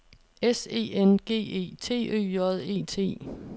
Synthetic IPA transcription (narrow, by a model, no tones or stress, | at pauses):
ese̝̰ːenɡ̥e̝̰ːe̝̰ːt͡sʰe̝̰ːø̰ːjɒð̞ˠe̝̰ːt͡sʰe̝̰ː